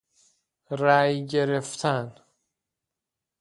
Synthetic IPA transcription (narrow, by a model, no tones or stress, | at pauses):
ɾæjɟe̞ɾeft̪ʰæn